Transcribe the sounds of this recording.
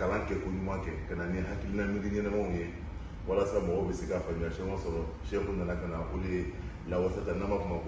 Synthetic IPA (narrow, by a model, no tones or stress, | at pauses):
kalãkɛkoɲũmãkɛkananiɦakilinamĩdĩɲɛnɛmaũje | walasamɔɡɔubɛsekafamiaʃɛ̃masɔɾɔʃkõnanakanaʔolee | lawasatanãmbakumãk